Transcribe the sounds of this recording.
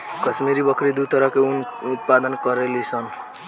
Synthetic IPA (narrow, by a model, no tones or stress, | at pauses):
kət͡ʃmiɾibəkʰɾid̪ut̪əɾəɦkenut̪̚pad̪ənkəɾelisən